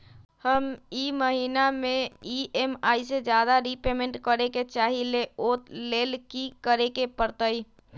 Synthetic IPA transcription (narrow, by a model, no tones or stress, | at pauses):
həmiːməɦiːnamẽiʔeːmaːised͡ʒjaːd̪aɾipeːmẽɳʈkəɾeket͡ʃaːɦileoːt̪leːlkikəɾekepəɾt̪əi